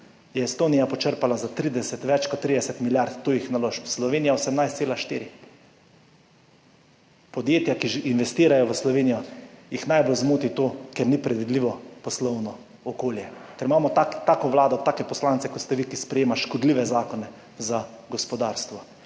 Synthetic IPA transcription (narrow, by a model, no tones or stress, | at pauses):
jɛːst̪oːnijapɔt͡ʃəɾpalazat̪ɾid̪ɛsɛt̪ʋɛt͡ʃkɔt̪ːɾid̪ɛsɛt̪miljaɾt̪t̪ːoːjixnaloːʃpslɔʋeːnijaosɛmnajst̪seːlaʃt̪iːɾi | pɔd̪jeːt̪jakiʒinʋɛst̪iːɾajɔʋəslɔʋeːnijɔjixnajbolzmoːt̪it̪oːkɛɾnipɾɛd̪ʋid̪liʋɔpɔslɔwnɔ | ɔkoːljɛkɛɾimaːmɔt̪akt̪aːkɔʋlaːd̪ɔt̪aːkɛpɔslant̪sɛkɔt̪st̪ɛʋikispɾɛjeːmaʃkɔd̪liʋɛzaːkɔnɛ | za | ɡɔspɔd̪aːɾst̪ʋɔ